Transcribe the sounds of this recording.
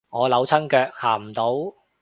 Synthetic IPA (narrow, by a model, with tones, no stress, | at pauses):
ŋɔː˨˧lɐ˨˥wt͡sʰɐ˥nkœː˧k̚haː˨˩m̩˨˩t̪o˨˥w